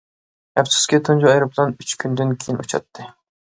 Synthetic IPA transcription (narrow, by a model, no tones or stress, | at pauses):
ɛpsu̥skʲit̪ʰund͡ʒuɑjɾɨpʰlˠɑnyt͡ʃkʲʰynd̪ynkʲʰejinṵt͡ʃʰɑ̰t̪ʰːɨ